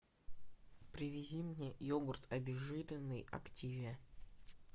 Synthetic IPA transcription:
pɾʲɪvʲɪzʲimnʲejoɡʊrt̪ɐbʲɪʐɨlʲɪnːɨjɐ̰ktʲivʲɪə

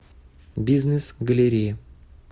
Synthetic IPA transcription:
bʲiznʲɨsɡəlʲɪɾʲijə

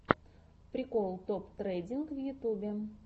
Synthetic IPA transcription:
pɾʲikolˠt̪opt̪redʲinkvjut̪ubʲe

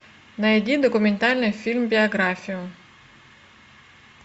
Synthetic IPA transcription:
nɐjɛdʲid̪ɔkʊment̪ɑlʲnɪjfʲilʲmbʲiɐɡɾɑfʲijʊ

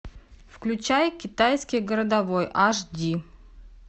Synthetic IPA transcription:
fklʲʉt͡ɕajkʲɪt̪ajskʲɪjɡəɾəd̪ɐvojʔaʂdʲi

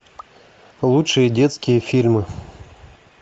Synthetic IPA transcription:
lˠutʂɨjədʲet̪skʲɪjəfʲilʲmɨ

